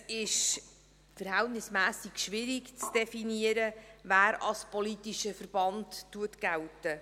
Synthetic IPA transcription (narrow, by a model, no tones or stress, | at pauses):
ɪʃ | fəɾhɛltnɪsmæːsikʃʋɪɾikt͡sd̥ɛfiniəɾəvæːɾɑ̰lspɔlitiʃəfərb̥ɑntːuətɡ̥æltə